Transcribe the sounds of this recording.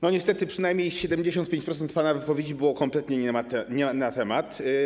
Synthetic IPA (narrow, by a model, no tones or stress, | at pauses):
nɔɲɛst̪ɛt̪ɘpʂɘnajmʲɲejɕɛd̪ɛmd͡ʑeɕɔ̃nt̪̚pʲẽɲt͡ɕpɾɔt̪sɛnt̪̚panavɘpɔvʲed͡ʑibɘwɔkɔmplɛt̪ɲɛɲɛmat̪ɛɲɛnat̪ɛmat̪